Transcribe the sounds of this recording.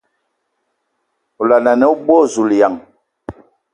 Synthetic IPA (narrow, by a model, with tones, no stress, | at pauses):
u˨la˨na˨nɛ˦u˦ɓo˦˨zu˨lja˨ŋ